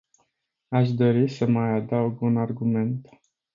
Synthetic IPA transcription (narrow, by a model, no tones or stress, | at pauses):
aʃd̪o̞ɾisəmajad̪auɡunarɡume̞nt̪